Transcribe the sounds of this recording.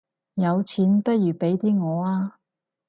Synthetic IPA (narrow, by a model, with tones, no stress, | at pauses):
jɐ˨˧wt͡sʰiː˨˥npɐ˥t̚jyː˨˩pe˨˥jt̪iː˥ŋɔː˨˧aː˧